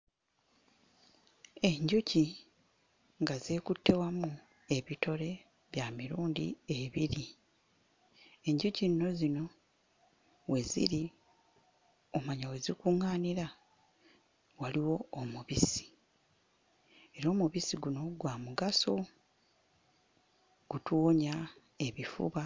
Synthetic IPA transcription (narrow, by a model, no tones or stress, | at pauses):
e̞ɲɟuci | ŋɡaze̞ːkutːe̞wamu | e̞βito̞ɾe̞ | βjamiɾuːndḭe̞βiɾi | e̞ɲɟucinno̞zino̞ | we̞zḭɾi | omaɲawe̞zikuŋaːniɾa | waliwo̞ːmuβisi̥ | e̞ɾo̞ːmuβisiɡuno̞ɡwaːmuɡaso̞ | ɡ̥utuwoɲa | e̞βifṵβa